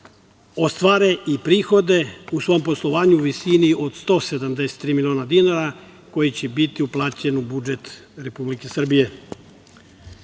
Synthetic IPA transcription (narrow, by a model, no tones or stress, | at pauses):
o̞st̪ʋaːɾeʔipɾiːxo̞d̪e̞usʋo̞jompo̞slˠoʋaːɲuuʋisiniʔo̞d̪st̪o̞ːsed̪amd̪e̞se̥t̪ːɾiːmilio̞ːnad̪inaɾa | ko̞jit͡ɕebit̪iuplˠaːt͡ɕe̞nubud͡ʒe̞t̪ɾe̞publike̞sr̩bije̞